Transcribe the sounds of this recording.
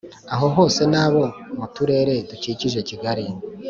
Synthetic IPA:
aɦo̞ɦo̞ːse̞naːβo̞mutuɾe̞ːɾe̞tuciciʒe̞ciɡaɾi

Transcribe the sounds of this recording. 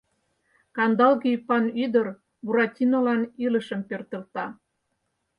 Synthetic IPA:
kɑnd̪ɑlɣipɑnyd̪ər | buɾɑtʲinolɑniləʃəmpørt̪ə̆lt̪ɑ

